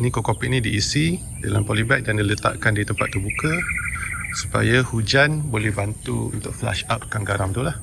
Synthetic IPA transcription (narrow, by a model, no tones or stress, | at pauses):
nikokopiʔ̚nĩdiːsi | dalampɔlibaʔ̚dandilət̪a̰ʔkandit̪əmpat̪ːubuka | su̥pa̰jahud͡ʒanbolɛhbant̪uṵnt̪ʊk̚fla̰ʃat̪̚kaŋɡaɾaŋt̪ulah